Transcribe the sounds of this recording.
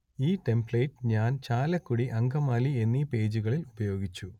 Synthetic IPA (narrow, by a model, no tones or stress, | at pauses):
iːʈe̞mbɭejʈːɲaːnt͡ɕaːlɐkːuɽiʔɐŋɡɐmaːlie̞nːipe̞ːd͡ʑuɣɐɭilubɐjo̞ːɡit͡ɕːu